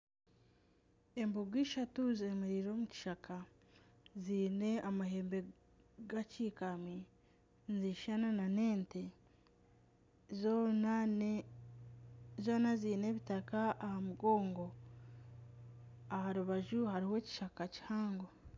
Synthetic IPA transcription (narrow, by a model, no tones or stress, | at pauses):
e̞mboɡwiːʃatuzemiɾiɾo̞ːmuci̥ʃakʰa | ziːne̞amahe̞ːmbe̞ | ɡaciːkami | nziʃananane̞ːnte | zo̞ːnaziːne̞βitakaʔːhamuɡo̞ːŋɡo̞ | ahaɾuβaʒuhaɾihe̞ːci̥ʃakaci̥haːŋɡo